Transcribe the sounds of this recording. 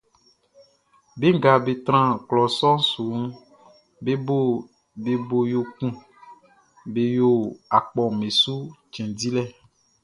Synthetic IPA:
be˦ŋ˦ɡa˨be˨t̪ɾã˦klɔ˨sɔ˦su˨˦ | be˦bo˦ | be˨bo˨jo˨kũ˦ | be˨jo˨a˨k͡pɔ˨mẽ˨su˦t͡ʃɛ̃˨di˦lɛ˦

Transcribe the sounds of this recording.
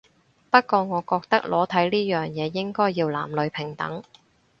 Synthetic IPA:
pɐ˥t̚kɔː˧ŋɔː˨˧kɔː˧k̚t̪ɐ˥k̚lɔː˨˥t̪ʰɐ˨˥jliː˥jœː˨ŋjɛː˨˧jɪ˥ŋkɔː˥jːiː˧wla̰ː˨˩mlɵ˨˧ɥpʰɪ˨˩ŋt̪ɐ̰˨˥ŋ

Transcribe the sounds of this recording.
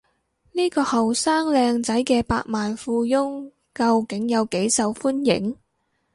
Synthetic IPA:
niː˥kɔː˧hɐ˨wsaː˥ŋlɛː˧ŋt͡sɐ˨˥jkɛː˧pa̰ː˧k̚maː˨nfuː˧jʊ˥ŋ | kɐ˧wkɪ˨˥ŋjɐ˨˧wke˨˥jsɐ˨wfu˥njɪ̰˨˥ŋ

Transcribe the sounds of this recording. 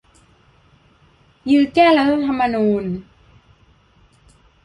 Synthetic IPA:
jɯː˧˩kɛː˥˩la˧t̪ʰa˥p̚t̪ʰa˧mːa˧nuː˧n

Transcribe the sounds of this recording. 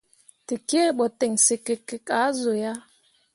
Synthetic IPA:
ti˨ke˦˨˦ɓɔ˨te˨ŋsi˨ke˨ke˦ka˨˦zo˨ja˦

